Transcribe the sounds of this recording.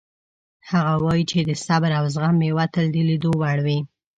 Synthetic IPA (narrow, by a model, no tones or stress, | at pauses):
haɣawɑjit͡ʃed̪əsabɾawzɣamewat̪əld̪əlid̪owaɽwi